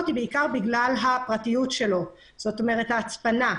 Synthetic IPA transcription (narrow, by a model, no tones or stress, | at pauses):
t̪ibeikaʁbiɡlalɦapʁatijutʃe̞lo̞ | z̥o̞to̞me̞ʁethaːt͡spana